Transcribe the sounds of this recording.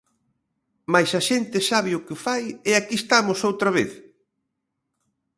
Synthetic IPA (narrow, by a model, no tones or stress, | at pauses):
majsaʃent̪ɪsaβ̞ɪʊkɪfajeakist̪amʊsowt̪ɾɐβeθ